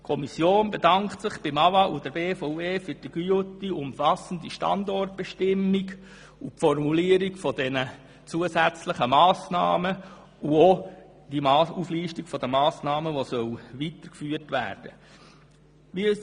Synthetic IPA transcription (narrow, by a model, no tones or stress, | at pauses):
kʰɔmisjoːnbedɑŋktsɪχb̥ɪmɑvɑʔud̥əbeːfɔʊeːfyɾd̥iɡ̥yʊtːiʊmfɑsəndiʃtɑ̰ndɔrt̚b̥ɛʃtɪmːiɡ | upfɔrmuliəɾikfɔd̥ɛnə | t͡suəsæt͡sləχəmɑːsnɑ̰ːmə | uo | d̥imɑːufliːʃtikfɔd̪əmɑːsnɑːməʋosœlʋit̪əɾkfyːəɾtʋæ̰ːɾd̥ə | ʋi